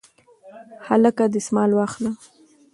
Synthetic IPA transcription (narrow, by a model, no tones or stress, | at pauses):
halakad̪əsmɑlwɑxla